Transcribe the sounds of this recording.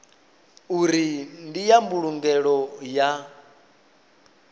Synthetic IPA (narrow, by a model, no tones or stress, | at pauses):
uɾindijambuɺuŋɡɛɺɔja